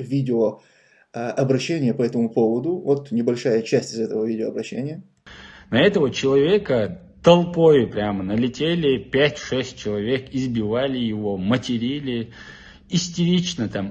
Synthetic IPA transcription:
vʲidʲɪo | ɐbɾɐɕːenʲɪjəpɐɛt̪əmʊpovəd̪ʊvot̪nʲɪbɐlʲʂajət͡ɕæsʲtʲɪzɛt̪əvəvʲidʲɪoːɐbɾɐɕːḛnʲɪjə | nɐɛt̪əvət͡ɕɪlˠɐvʲekə | t̪ɐlˠpojɪpɾʲamənəlʲɪtʲelʲɪpʲætʲʂɛsʲt̚ʲt͡ɕɪlˠɐvʲekɪzbʲɪvalʲɪjɪvomətʲɪɾʲilʲɪ | ɪsʲtʲɪɾʲit͡ɕnət̪am

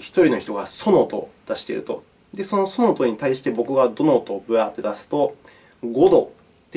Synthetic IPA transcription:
çi̥t̪o̞ɾʲino̞çi̥t̪o̞ɡaso̞no̞t̪o̞̰d̪̥aɕi̥t̪ḛɾɯ̟t̪o̞̰ | d̪e̞so̞no̞so̞not̪oɲ̟it̪aiɕi̥t̪e̞bo̞kɯ̟ɡad̪o̞not̪o̞ːbɯ̟at̪ːe̞d̪asɨ̥t̪o̞ | ɡo̞d̪o̞ | t̪ːe

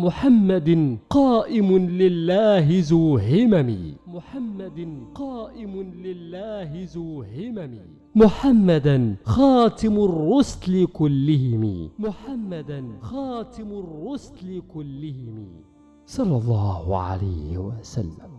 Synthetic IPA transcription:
mʊħamːad̪qɑːʔɪmʊlɪlːaːɦɪzuːɦɪmamḭːmʊħamːad̪qɑːʔɪmʊlɪlːaːhɪzuːhɪmamiː | mʊħamːad̪anxɑːt̪ɪmarːʊslɪkʊlːɪhɪmḭːmʊħamːad̪anxaɑːt̪ɪmʊrˤːʊst̪lɪkʊlːɪhɪmḭː | sˤɑlːɑlˤːɑːhʊʕa̰la̰jhɪ̰wasa̰lːam

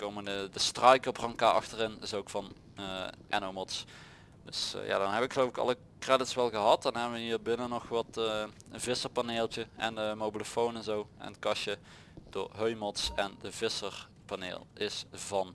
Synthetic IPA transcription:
kowmənədəstrɑjkəəprɑŋkaʔɑ̰xtərɪnɪsowkfɑn | əʔɛ̰nomɔts | d̥ɵ̰sja̰ːdɔnɦɛbəʋɪkxəlowvɪkɑ̰lə | krɛdɪtsʋɛlˠɣəɦɑt̚dɑnɦɛbənʋəɦiːɹbɪnənɔxʋɑtə | vɪsəɹpaneːlˠt͡ʃəɛndəmowbiləfownɛnzowɛ̰nətkɑʃə | d̥ʊ̰ːɹɦøɥmɔtsɛndəvɪsər | panḛːlˠɪsvɑn

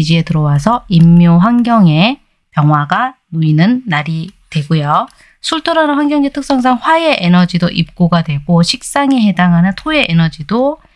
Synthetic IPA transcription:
d͡ʑie̞tɯɾʌwasʰʌimːjoɸwaŋɡjʌŋe̞ | pjʌŋɦwaɡanuinɯnːaɾitwe̞ɡojo | sʰuɭtʰɯɾanɯɸwaŋɡjʌŋd͡ʑetʰɯk̚s͈ʌŋs̬ʰaŋɸwaeʔenʌd͡ʑidoʔip̚k͈oɡadwe̞ɡoɕʰik̚s͈aŋe̞he̞daŋɦanɯntʰoe̞ʔenʌd͡ʑido

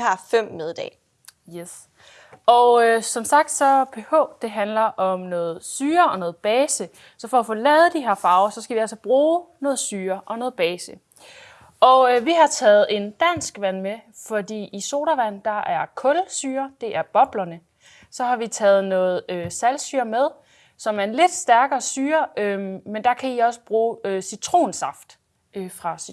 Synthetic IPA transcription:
hɑ̈fem̰meðˠd̥ɛ̰ː | jes | ʔɒʊøsɒ̽msɑ̈ɡ̥d̥sɒ̽pʰehɔ̰ːd̥e̝ɦænlɐʔɒ̽mnɔ̽ːð̩ˠsyːɐɒ̽nɔ̽ːð̩ˠb̥ɛːsə | sɒ̽fɒ̽æfoːlɛːð̞̩ˠd̥iɦe̝ɐ̰fɑ̈ːʊsɒ̽sɡ̥æʋiæl̰sɒb̥ʁuːnɔ̽ːð̞̩ˠsyːɐʔɒ̽nɔ̽ːð̩ˠb̥ɛːsə | ʔɒ̽ʋiɦɑ̈t͡sʰɛːð̩ˠe̝nd̥æn̰sɡ̥ʋæn̰mefɒ̽d̥ḭːiso̝ːɾɐʋæn̰d̥ɑ̈ʔæɐkʰɔ̽lsyːɐd̥e̝ʔæɐb̥ɒ̽b̥lɐnə | sɒ̽hɑ̈ʋit͡sʰɛːð̩ˠnɔ̽ːð̩ˠøsælsy̰ːɐmeð̞ˠ | sɒ̽mæɐenle̝d̥sd̥æɐɡ̥ɐːsyːɐømend̥ɑ̈kʰæiɒ̽sə̥b̥ʁuːøsit͡sʰʁo̝̰ːnsɑ̈fd̥ | øfʁɑ̈s

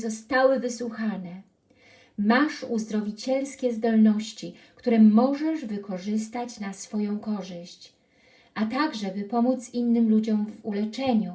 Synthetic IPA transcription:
zɔst̪awɘvɘswuxanɛ | maʂuzd̪ɾɔvʲit͡ɕɛlskʲɛzd̪ɔlnɔɕt͡ɕi | kt̪uɾɛmɔʐɛʐvɘkɔʐɘs̬t̪at͡ɕnasfɔjɔ̃w̃kɔʐɘɕt͡ɕ | ʔat̪aɡʐɛbɘpɔmut̪sinːɘmlud͡ʑɔmvulɛt͡ʂɛɲu

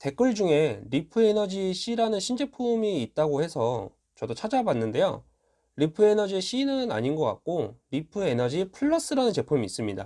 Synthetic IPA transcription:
te̞k͈ɯɭd͡ʑuŋe̞ɾipʰɯenʌd͡ʑiɕ͈ʰiɾanɯnɕʰind͡ʑe̞pʰumiːt̚t͈aɡohe̞sʰʌ | t͡ɕʌdot͡ɕʰad͡ʑabanːɯnde̞jo̰ | ɾipʰɯe̞nʌd͡ʑieɕ͈ʰiːnɯɯna̰ɲinɡʌk͈a̰k̚k͈oɾipʰɯe̞nʌd͡ʑipʰɯɭːʌs͈ɯɾanɯnt͡ɕe̞pʰumiːs͈ɯmɲida̰

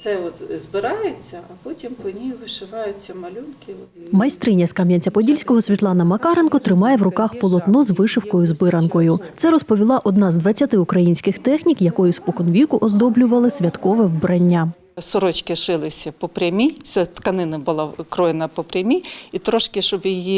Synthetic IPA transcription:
t̪sɛɔt̪zbɪɾɑjet͡sʲːɐɐpɔtʲimpˠɔnʲijʊʋɪʃɪʋɑjʊt͡sʲːɐmɐlʲunkɪ | mɐjst̪ɾɪnʲːɐskɑmʲjɐnʲt͡sʲɐpɔdʲilʲsʲkɔɦɔsʲʋʲit̪lˠɑnɐmɐkɑɾenkɔt̪ɾɪmɑjɛwrʊkɑxpɔlˠɔt̪nɔzʋɪʃɪwkɔjʊzbɪɾɐnkɔjʊt̪sɛɾɔspɔʋʲilˠɑʔɔd̪nɑzd̪ʋɐt͡sʲːɐt̪ɪukɾɐjinʲsʲkɪxt̪ɛxnʲikjɐkɔjʊspɔkɔnʋʲikʊʔɔzd̪ɔblʲʊʋɐlˠɪsʲʋʲɐt̪kɔʋɛwbɾɐnʲːa | sɔɾɔt͡ʃkɪʃɪlˠɪsʲɐpɔpɾʲɐmʲisɛt̪kɐnɪnɐbʊlˠakɾɔjenɐpɔpɾʲɐmʲiit̪ɾɔʃkɪʃɔbjiji

